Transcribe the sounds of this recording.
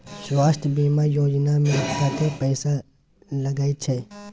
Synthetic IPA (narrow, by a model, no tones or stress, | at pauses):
ʃʋaːst̪biːmaːjoːd͡ʒnaːmẽkat̪epɛːsa | ləɡaːit͡ʃʰeː